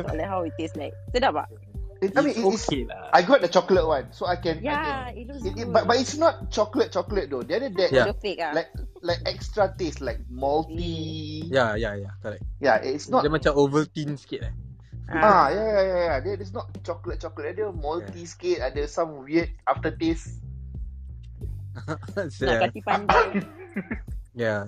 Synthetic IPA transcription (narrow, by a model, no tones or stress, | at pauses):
dɔ̰lahawiteslaɪk̚sedaba̰ʔ | iajmĩnieaajɡɔt̚dət͡ʃɔklət̚wãnsoajkɛ̃najɛ̃niibat̚bat̚itsnɔt̚t͡ʃɔklət̚t͡ʃɔklət̚dodɛadədɛjafekalajk̚laɪk̚ɛkstɹateslaɪk̚mɔltijajajakɔɾɛk̚jaitsnɔdɛmat͡ʃãovətĩnsket̚a | ajajajajadɛdɛs̬nɔt̚t͡ʃɔklət̚t͡ʃɔklət̚ɛdɛmɔltisket̚adɛsãmwiət̚aftətes | sɛi | ja